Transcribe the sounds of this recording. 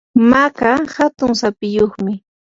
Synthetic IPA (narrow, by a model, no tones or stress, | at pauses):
makahat̪ʊŋsapɪjoχmɪ